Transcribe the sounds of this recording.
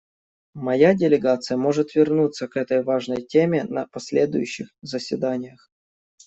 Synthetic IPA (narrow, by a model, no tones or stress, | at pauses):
mɐjadʲɪlʲɪɡat̪sɨjəmo̞ʐɨt̪vʲɪrnut̪sːəkɛt̪əjvaʐnəjtʲemʲɪnɐ̰pɐsʲlʲed̪ʊjʉɕːɪxzəsʲvʲɪd̪anʲɪjəx